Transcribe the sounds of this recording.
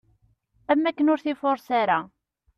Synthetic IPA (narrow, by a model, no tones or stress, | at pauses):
æmːækːənʊɾθifoɾˤsaɾa